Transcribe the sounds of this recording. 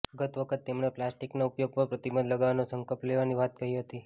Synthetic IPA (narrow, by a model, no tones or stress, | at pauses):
əɡət̪ʋəkʰət̪ːemɳeplasʈiknaupjoɡ̚papɾət̪ibənd̪ləɡaʋanosəŋkəlpleʋaniʋat̪kəɦiɦət̪i